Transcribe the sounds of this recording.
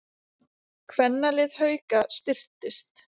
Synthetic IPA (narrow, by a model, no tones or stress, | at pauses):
kʰvɛnːalɪðhœːɥkast̪ɪr̥t̪ɪst̪